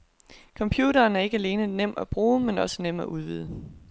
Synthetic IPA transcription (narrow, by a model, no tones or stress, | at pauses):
kʰɒ̽mpʰjuːɾɐːnæɐe̝ɡ̥əæle̝ːnənem̰æb̥ʁuːmenɒ̽sə̥nem̰æʔuð̞ˠʋḭð̞ˠə